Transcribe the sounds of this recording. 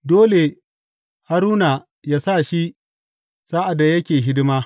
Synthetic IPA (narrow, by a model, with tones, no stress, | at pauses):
doː˦le˨ | ha˦ɾuː˦na˨ | jaː˦sa˦˨ʃi˦ | saː˦ʔa˨dːa˨jɐ˦kʲeː˨ɦɪ˦dɪ˦maː˦